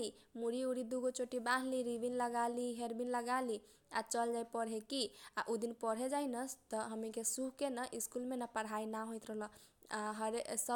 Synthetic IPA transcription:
i | muɾiuɽid̪uɡot͡ʃoʈibaɦliɾibinləɡaliɦeɾbinləɡali | a̰t͡ʃəld͡ʒajpəɾɦekia̰ʔud̪inpəɽɦed͡ʒajnəst̪ɔɦəmikesuɦkenaʔiskulmenapəɽ̤ɦajnaɦojt̪ɾəɦlə | aɦəɾesə

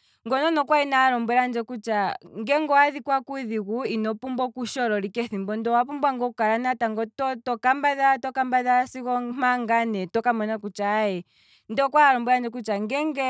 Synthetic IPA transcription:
ŋɡɔnɔnɔkwainaːɾɔmbwɛɾand͡ʒɛkut͡ʃaŋɡɛŋɡɔaðikwakuiðiɣuinɔpumbɔkuʃɔɾɔɾikɛθimbɔndɔwapumbwaŋɡɔukaɾanataŋɡɔtɔtɔkambaðatɔkambaðasiɣɔm̥aŋɡanɛtɔkamɔnakut͡ʃaɛ | ndɔkwaːɾɔmbɛɾand͡ʒɛk̬ut͡ʃaŋɡɛŋɡɛ

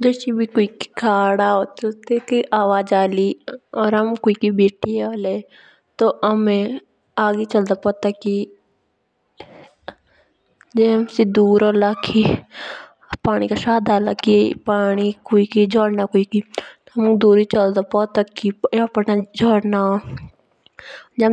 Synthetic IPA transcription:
d͡ʒəsibʱikoiki̥kʰaːɽaot̪ət̪ekiʔaːʋaːd͡ʒaːliɔːɾɦəmkoikibeːʈioːle | t̪oəmẽ | aːɡet͡ʃəld̪apɔːt̪aki | d͡ʒeɦəmsed̪uːɾoːlakʰi | paːnikaʃaːd̪ʱaːlakipaːnikoikid͡ʒɔːɽnakoikit̪oɦɐmd̪uːɾit͡ʃəld̪apɔːt̪akiaːpənad͡ʒɔːɽna | d͡ʒ

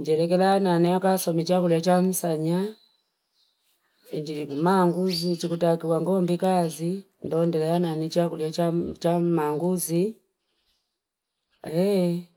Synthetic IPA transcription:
ɲd͡ʒɛlɛk̬ɛlaananiakasɔmit͡ʃakuliat͡ʃam̩saɲa | iɲd͡ʒimaŋɡuzit͡ʃikutakiwaŋɡɔmbikazi | ndɔndɛlɛananit͡ʃakuliat͡ʃat͡ʃamaŋɡuzi | ɛ

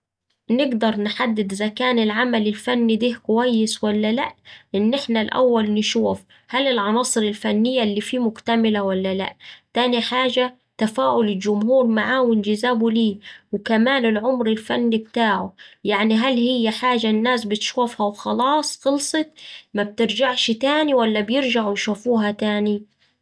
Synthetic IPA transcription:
nɪɡd̪ɑɾˤnħad̪ːɪd̪zakaːnɪlʕamalɪlfanːid̪iːhkʊwajːɪswalːala̰ʔʔɪnːʔɪħnalʔa̰wːalnɪʃuːf | halɪlʕɑnɑːsˤɨɾɪlfanːɪjːalːiːfiːmʊkt̪amɪlawalːala̰ʔt̪aːniħaːʒa | t̪afaːʔʊlɪld͡ʒʊmhuːɾmaʕaːwɪnd͡ʒɪzaːbʊliːwkamaːnɪlʕʊmɾɪlfanːib̚t̪aːʕʊjaʕniɦalhɪjːaħaːʒanːaːsbɪt̪ʃuːfhawxɑlɑːsˤxɨlsˤɨt̪mab̚t̪ɪɾd͡ʒaʕʃt̪aːniwalːabjɪɾd͡ʒaʕwjʃufuːɦat̪aːni

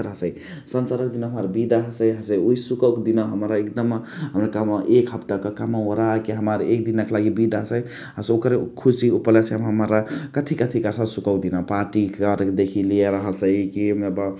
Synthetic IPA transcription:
ɾɦsəj | sənsaɾək̚d̪inoɦəmaɾbid̪aɦəsəjɦəsəjuisukəwkd̪inoɦəmɾaekd̪əmɦəmɾakamʔekɦəpt̪akekamaoɾakeɦəmaɾek̚d̪inaklaɡibid̪aɦəsəj | ɦəsokəɾkʰusiupəleseɦmɦəmaɾakət̪ʰikət̪ʰikaɾsasukəwk̚d̪inapaɾʈikəɾd̪ekʰiliaɾəɦəsəjkimeba

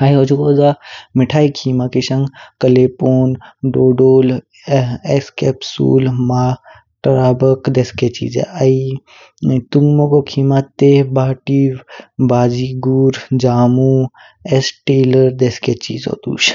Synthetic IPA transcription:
aːiɦoːd͡ʒukoːzamɪʈʰaːikʰiːmakiʃə̃ŋɡkəleːpoːnɖoːɖoːl | eskɛːpsṵːlmaː | ʈɾaːbəkd̪eːsket͡ʃḭːd͡ʒḛai | t̪uŋɡmokokʰiːmat̪eːɦbaːʈiwbaːd͡ʒiɡuːɾd͡ʒaːmu | esʈeːləɾd̪eːsket͡ʃḭːzo̰ːt̪ṵːʃ

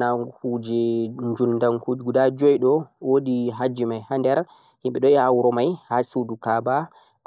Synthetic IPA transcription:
akud͡ʒɛɲd͡ʒunːdaŋkuɡudad͡ʒɔjɗɔwoɗiɦad͡ʒimajhandɛɾ | himɓɛɗɔɛawɾɔmajhasuɗukaba

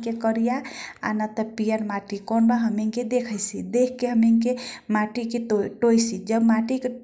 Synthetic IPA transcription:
kekəɾijaa̰nat̪əpijəɾmaʈikɔnbaɦəmiŋked̪ekʰəsḭd̪ekʰkːeɦəmiŋkemaʈikeʈojsid͡ʒəbmaʈike

